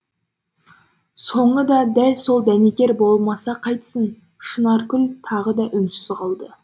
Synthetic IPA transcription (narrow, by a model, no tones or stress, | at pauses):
so̞ɴəd̪ɑd̪ælso̞lˠd̪ænekʲe̞ɾbo̞lˠmɑsɑqʰɑjt̪səɴ | ʃənɑɾkʲʰʏnt̪ʰɑʁəd̪ɑʔʏmsɪzqɑlˠd̪ə